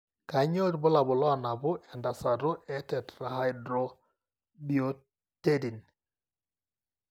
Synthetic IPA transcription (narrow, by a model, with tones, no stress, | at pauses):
ka˨˦ɲo˦tbʊ˦la˨bʊ˨lɔ˦a˦˨na˨bʊ˦ʔɛ˨nda˨sa˨ɾo˦ʔɛ˦tɛ˨tɾa˨ɦa˦jdɾo˦ | bijo˦ | te˦di˨n